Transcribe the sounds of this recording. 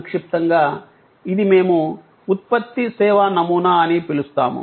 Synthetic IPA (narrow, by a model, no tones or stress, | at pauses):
kʂip̚t̪ɐŋɡaː | id̪imeːmuː | t̪̚pɐt̪ːisɛːʋanɐmuːnaɐnipilust̪a̰ːmṵ